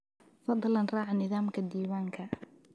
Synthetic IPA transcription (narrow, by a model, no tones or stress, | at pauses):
fɑd̪ˤlɐnrɑːʕnɪðɑːmkʰɐd̪iːwaːŋkʰɐ